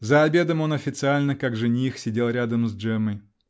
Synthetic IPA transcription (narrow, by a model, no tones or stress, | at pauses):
zɐːbʲe̞d̪əmo̞nɐfʲɪt̪sɨalʲnəkaɡʐɨnʲixsʲɪdʲelˠɾʲad̪əmzʐɛməj